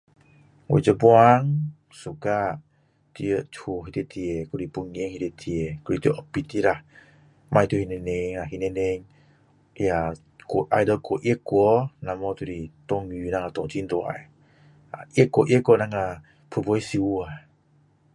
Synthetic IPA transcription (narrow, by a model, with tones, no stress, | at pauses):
o̰˨d͡ʒə˧buaŋ | su˨ka˧ | ti˧ə˧ʔtʰu˧ɦi˧t̪e˧t̪ʰi˧e˨ku˧ɾi˧pu˧ŋe˦ŋhi˧t̪e˧t̪ʰi˧e˨ku˧ɾi˧˨t̪u˦ʔɔpi˧t̪i˦ɾa˨ | mʔa˧jt̪u˧hi˧ne˧ne˧ŋa˨ɦi˧ne˧ne˧ŋ | ja | koʔa˧jdəkɔ˧ʔe˦kːɔ˧na˨mɔ˧t̪u˧ɾi˧t̪ɔ˧ŋy˧na˧ŋa˧˨t̪ɔ˧ŋtʰi˦nd̪ɔ˨a̰˨j | aʔe˦kːɔ˧ʔe˦kːɔ˧na˧ŋa˧˨ | pʰɯ˧bɔ˧jsi˧ua